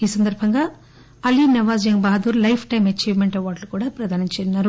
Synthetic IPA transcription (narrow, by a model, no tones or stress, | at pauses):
iːsɐnd̪ɐɾbʱɐŋɡaː | ɐlinɐʋaːzjɐŋbaːd̪uːɾlɐjpʰʈɐjmɐt͡ʃiːʋmeɳʈeʋaːɖlukuːɽaːpɾɐd̪ʱaːnɐt͡ʃeːinːaːɾu